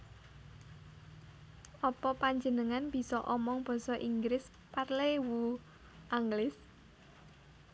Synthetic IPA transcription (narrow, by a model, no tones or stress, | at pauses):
ʔɔpɔpaɲd͡ʒənəŋanb̥i̤sɔʔɔmɔŋb̥ɔ̤sɔʔiŋɡɾɪs | parlewu | ʔaŋɡlɪs